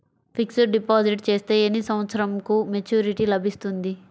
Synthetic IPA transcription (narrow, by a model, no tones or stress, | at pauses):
pʰiksɐɾɖipaːsiʈt͡ʃe̞ːst̪eːenisɐmʋɐt̪sɐɾɐmkumet͡ʃuːɾiʈilɐbʱist̪und̪i